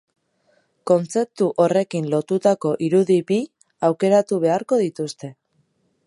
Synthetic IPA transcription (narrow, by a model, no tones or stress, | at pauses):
ko̞nt͡se̞p̚t̪uʔo̞re̞kinlo̞t̪ut̪ako̞ʔiɾuðibi | awke̞ɾat̪uβ̞e̞aɾko̞ðit̪ust̪e̞